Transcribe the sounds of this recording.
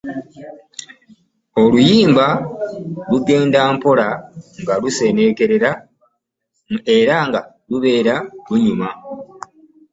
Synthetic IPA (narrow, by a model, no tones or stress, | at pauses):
o̞lujiːmba | luɡe̞ːndaːmpo̞laŋɡaluse̞ne̞ke̞ɾe̞ɾa | e̞ɾaŋɡa | luβe̞ːɾaluɲuma